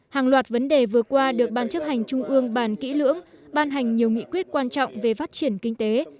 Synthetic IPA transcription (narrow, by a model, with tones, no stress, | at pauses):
haː˨˩ŋlwaː˨˩t̚və˨˦nɗe˨˩vɨ˨˩əkwaː˧ɗɨ˨˩ək̚ɓaː˧˩nt͡ɕə˦˥p̚ha˨˩jŋ̟t͡ɕʊ˧ŋ͡mʔɨ˧əŋɓaː˧˩nkḭ˧˥lɨ̰˧˥əŋɓaː˧nɦa˨˩jŋ̟ɲi˨˩əwŋḭ˧˨kwi˦˥ət̚kwaː˧nt͡ɕɔ̰˧˨wŋ͡mve˨˩faː˦˥t̚t͡ɕi˧˩ənkï˧ŋ̟t̪e˨˦